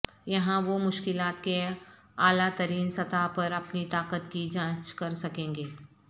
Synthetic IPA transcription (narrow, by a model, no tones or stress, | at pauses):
jɐɦãʋomʊʃkɪlaːt̪ke | aːlat̪ɐɾiːnsɐt̪apɐɾɐpnit̪aːkət̪kid͡ʒãːt͡ʃkɐɾsɐkẽːŋɡeː